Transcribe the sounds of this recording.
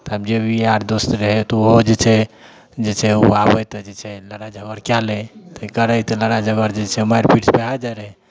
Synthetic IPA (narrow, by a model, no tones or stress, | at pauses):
t̪ːbd͡ʒebʱiaɾd̪ost̪ɾəɦɛt̪ɔoɦod͡ʒet͡ʃʰɛ | d͡ʒet͡ʃʰɛuabət̪ɔd͡ʒet͡ʃʰɛləɾad͡ʒʱəɡəɾkjalet̪əkəɾəjt̪ɔləɾad͡ʒʱəɡəɾd͡ʒet͡ʃʰɛmajɾpiʈspeɦad͡ʒaɾəɦɛ